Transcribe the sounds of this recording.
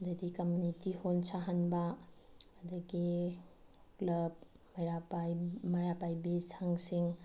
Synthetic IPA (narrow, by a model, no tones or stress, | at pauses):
ɐdɐdikɐmjunitihonsaɦanbɐ | ɐdɐɡi | klɐb̚ | mɐjɾapajmɐɾapajbisaŋsiŋ